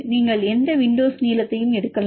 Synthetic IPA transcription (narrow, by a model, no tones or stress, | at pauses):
niːŋɡɐɭɛnd̪ɐʋɪɳɖoːsniːlɐt̪ːɐjɯmɛɽɯkːɐla